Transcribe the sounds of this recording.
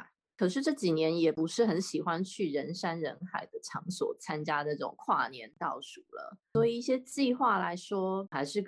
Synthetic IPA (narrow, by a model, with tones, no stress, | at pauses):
kʰɤ˨˩ʂɻ̩˥˧ʈ͡ʂɤ˥˩t͡ɕi˨˩njɛ˧˦njɛ˨˩pu˧˥ʂɻ̩˥˩xə˧˥nɕi˨˩xwa˦˥nt͡ɕʰy˥˩ɻə˧˦nʂa˥nɻə˧˥nxa˨˩ɪd̪ə˦ʈ͡ʂʰɑ˧˥ŋswɔ̰˨˩t͡sʰa˦˥nt͡ɕja˥d̪ə˨ʈ͡ʂɤ˥˩ʊ̰˨˩ŋkʰwa̰˥˩njɛ̰˧˥nt̪ɑ˥˩ʊʂu˨˩lə̰˦swɔ˧˥i˨˩i˥˩ɕjɛ˥t͡ɕi˥˧xwa˥˩la˧˦˥ɪʂwɔ˥xa˧˥ɪʂɻ̩˥˩